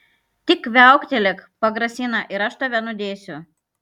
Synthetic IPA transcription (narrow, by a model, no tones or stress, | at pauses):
t̪ʲɪkʋʲæˑʊkt̪ʲɛlʲɛkpɐɡɾɐsʲɪnɐʔɪɾɐʃt̪oʋʲɛnʊd̪ʲeːsʲʊ